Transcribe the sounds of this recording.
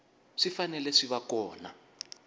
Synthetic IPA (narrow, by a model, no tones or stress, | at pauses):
ʂifanɛlɛʂiβakɔːna̰